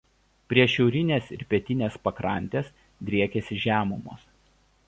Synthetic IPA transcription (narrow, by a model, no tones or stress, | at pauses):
pʲɾʲiɛʃʲɛʊɾʲɪnʲeːsɪɾpʲɛt̪ʲɪnʲeːspɐkɾɐˑnʲt̪ʲeːs | d̪ʲɾʲiɛkʲesʲɪʒʲæːmʊmoːs